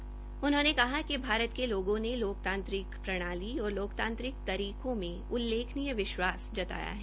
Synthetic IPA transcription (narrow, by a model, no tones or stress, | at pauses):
ʊnɦõnekɐɦakibʱaːɾət̪keloːɡõneloːk̚t̪ãːnt̪ɾɪkpɾɐɽ̃aːliɔːɾloːkt̪ãːnt̪ɾɪk̚t̪ɐɾiːkõmẽ | ʊlːeːkʰnijəʋɪʃwaːsd͡ʒɐt̪a̰ːja̰ɦɛː